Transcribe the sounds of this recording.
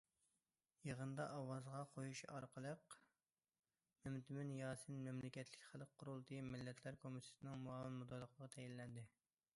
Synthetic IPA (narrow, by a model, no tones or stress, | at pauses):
jəʁənd̪ɑʔɑwɑzʁɑqʰojuʃɑɾqʰəlˠəq | mæmt̪ʰɪmɪnjɑːsɨnmɛmlɪkʲɛt̪ʰlɪ̥kʲχælˠqʰːʊɾulˠt̪ʰɨimɪlːɛt̪ʰlæɾkʰomit̪ʰɪ̥sɪnɨŋmuɑlˠɨmmud̪ɑlˠːəqʰəʁɑt̪ʰɛjilːɛnd̪ɪ